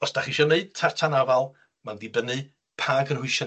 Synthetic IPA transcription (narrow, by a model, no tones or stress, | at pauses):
ɔsd̥aχiʃɔneɨd̥̚tʰartʰanavalˠ | mandibənɨ | pʰaːɡənhʊɨʃɔ